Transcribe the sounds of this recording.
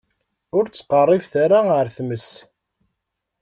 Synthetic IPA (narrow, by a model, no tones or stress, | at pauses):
ʊɾt͡sːqərˤːifθaɾaəɾθməs